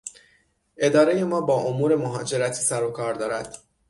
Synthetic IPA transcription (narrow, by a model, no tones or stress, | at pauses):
ʔe̞d̪ɒːɾe̞je̞mɒːbɒːʔomuːɾe̞moɦɒːd͡ʒe̞ɾæt̪ʰiːsæɾokʰɒːɾd̪ɒːɾæd̪̥